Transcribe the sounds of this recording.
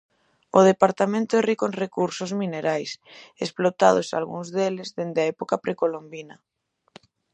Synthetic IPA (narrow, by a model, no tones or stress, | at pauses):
oð̞epaɾt̪amẽnt̪oerikonrekuɾsozmineɾajsesplot̪að̞osa̰lɣṵŋzðelezðend̪ɪaɛpokapɾekolombinɐ